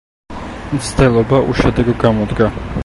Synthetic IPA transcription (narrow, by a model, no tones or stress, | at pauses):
mt̪sʰd̪ɛlˠɔbaʔuʃɛd̪ɛɡɔɡamɔd̪ɡa